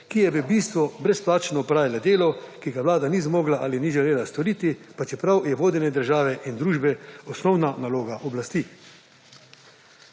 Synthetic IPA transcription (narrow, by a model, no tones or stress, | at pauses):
kijɛbibist̪ʋɔbɾɛsplaːt͡ʃnɔpɾaːʋilad̪eːlɔkiɡaʋlaːd̪anizmoːɡlaʔaliniʒɛleːlast̪ɔɾiːt̪ipat͡ʃɛpɾawjɛʋoːd̪ɛnɛd̪əɾʒaːʋɛʔind̪ɾuːʒbɛɔsnɔwnanaloːɡaʔɔblast̪i